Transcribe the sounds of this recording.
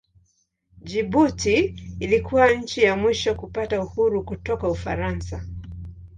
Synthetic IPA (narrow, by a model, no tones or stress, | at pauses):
d͡ʒibutiːlikʰuwaɲ̩t͡ʃijamwiʃɔkupatauhuɾukutɔkaufaɾansa